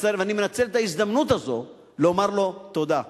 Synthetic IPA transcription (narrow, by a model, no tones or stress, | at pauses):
seɾvanimenat͡se̞let̪aizd̪amnut̪azo̞̰ | leomaʁlo̞t̪o̞d̪a